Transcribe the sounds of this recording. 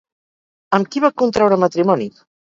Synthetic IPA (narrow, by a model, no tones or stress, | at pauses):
əmkiβakunt̪ɾawɾəmət̪ɾimɔni